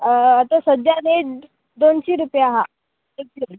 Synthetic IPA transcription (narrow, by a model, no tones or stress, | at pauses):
at̪asədjad̪eʈ | d̪onɕiɾupjaɦa | euɾ